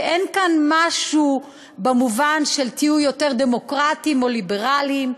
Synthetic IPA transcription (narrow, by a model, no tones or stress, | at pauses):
ʔenkanmaʃu | bamuvanʃelt̪iujote̞ʁd̪e̞mokʁatimo̞libeʁalim